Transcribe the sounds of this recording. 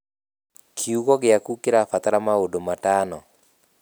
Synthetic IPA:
kʰiuɡɔɡɪjakukɪɾafat̪aɾamaodomatanɔ

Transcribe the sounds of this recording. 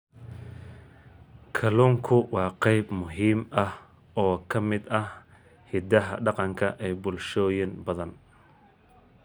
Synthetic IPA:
kʰɐluːŋkʰʊwɑːqɛjbmʊɦiːmɐh | ɔːkʰɐmɪd̪ɐh | hɪd̪ɐɦɐ̰ɖɑqɑŋkʰɐʔɛjbʊlʃɔːjɪnbɐðɐn

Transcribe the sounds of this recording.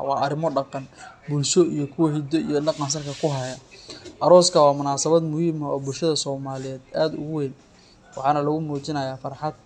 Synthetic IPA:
wɑ̰ːɐɾɪmɔɖɑqɑnbulʃɔijɞkʰʊwɐɦɪd̪ɔijɞnɑqɑns̬ɐrkʰɐkʰʊɦɐjɐʔɐɾɔːskʰɐwɑːmʊnaːsɐβɐd̪mʊhiːmɐɔːbʊlʃɐðɐsɔːmaːlɪjɛːd̪aːd̪ʊ̰ɣʊwɛn | wɑ̰ħɑːnɐlɐɣʊmuːt͡ʃɪnɐjaːfɑɾħɑd̪̚

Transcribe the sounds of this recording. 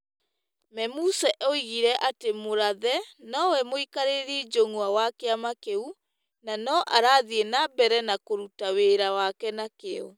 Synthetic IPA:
mɛmusɛʔoiɣiɾɛʔatemoɾaðɛnɔwɛmoikaɾeɾid͡ʒoŋwawakeamakeu | nanɔʔaɾaːðienabɛɾɛnakoɾutaweɾawakɛnakeɔ

